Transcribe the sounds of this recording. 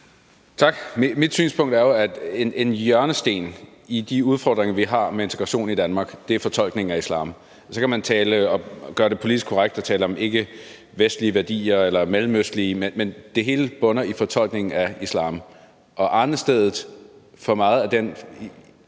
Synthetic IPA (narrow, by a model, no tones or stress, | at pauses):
t͡sʰɑ̈ɡ̥mmid̥sy̰ːnspʰɔ̽ŋ̰d̥æɐjo̝æd̥enʔe̝njœɐnəsd̥e̝̰ːn | id̥iuð̞ˠfɒ̰ːd̥ʁeŋɐʋiɦɑ̈mee̝nt͡sʰe̝ɡ̥ʁɑɕo̝̰ːnid̥ænmɑ̈ːɡ̥d̥e̝æfɒ̽t͡sʰɒ̽l̰ɡ̥ne̝ŋ̩æislɑ̰̈ːm | sɒ̽kʰæmænt͡sʰɛːləɒ̽ɡ̥ɶɐɾ̥e̝pʰo̝lid̥isɡ̥̚kʰoʁaɡ̥̚d̥ɒ̽t͡sʰɛːləɒ̽me̝ɡ̥ə | ʋesd̥liəʋæɐd̥ḭːɐelɐmelm̩øsd̥liəmenmend̥e̝ɦe̝ːləb̥ɔ̽nɐifɒ̽t͡sʰɒ̽l̰ɡ̥ne̝ŋn̩æislɑ̰̈ːm | ʔɒ̽ʔɑ̈nsd̥eðˠð̩ˠfɒ̽mɑ̈ːð̞̩ˠæd̥en